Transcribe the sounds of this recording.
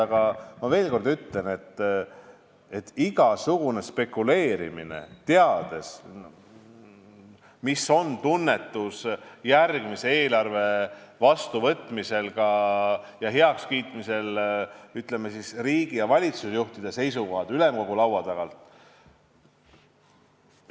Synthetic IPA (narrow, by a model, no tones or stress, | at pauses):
ɑɡ̥ɑmɑve̞ːlko̞rd̪yt̪le̞ne̞t̪ː | e̞t̪ːiɡ̥ɑsuɡ̥une̞spe̞kːˑule̞ːɾḭmḭne̞̰t̪e̞ɑd̪̥e̞s | misːo̞nt̪unːe̞t̪ːusjærɡ̥mise̞e̞ːlɑrve̞vɑst̪uvɤt̪ːˑmise̞lɡɑjɑɦeɑkskiːt̪ˑmise̞lyt̪ˑle̞mesisriːɡ̥ijɑvɑlʲit̪susjuht̪id̪̥e̞se̞jsuɡo̞ɦɑd̪̥ylemko̞ɡ̥ulɑwwɑt̪ɑɡ̥ɑlt̪